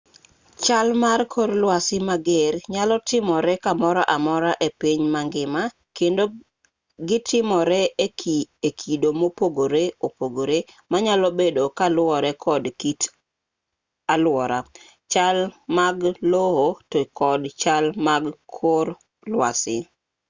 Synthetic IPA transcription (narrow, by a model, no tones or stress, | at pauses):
t͡ʃalmarkʰoɾlwasɪmaɡerɲalɔtɪmɔɾɛkamɔɾaʔamɔɾaʔepiɲmaŋɡɪma | kendo | ɡɪtʰɪmɔɾɛ | ekʰidomopoɡoɾeopoɡoɾe | maɲalɔbedokalwɔɾɛkʰɔdkit | alwɔɾa | t͡ʃalmaɡlohotokɔdt͡ʃalmaɡkʰoɾ | lwa̰sɪ̰